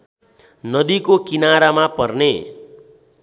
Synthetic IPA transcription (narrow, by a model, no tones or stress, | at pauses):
nʌd̪ikokinaɾamapʌrne